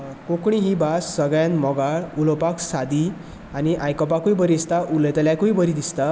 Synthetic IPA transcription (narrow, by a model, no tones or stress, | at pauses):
kokɳ̃iɦibasːəɡɭjãnmɔɡaɭulɔpaksad̪i | aniʔajkɔp̬akujbəɾiist̪aʔuləjt̪əljakujbəɾid̪ist̪a